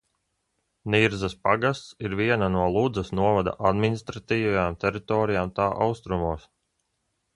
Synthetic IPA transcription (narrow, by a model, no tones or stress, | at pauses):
niɾzaspaɡast̪siɾviɛnanuɔlˠud̪zɐsnuɔvad̪a̰ʔad̪minist̪ɾat̪iːvajaːmt̪ʲɛɾit̪ɔːɾijaːmt̪aːʔawst̪ɾumuːs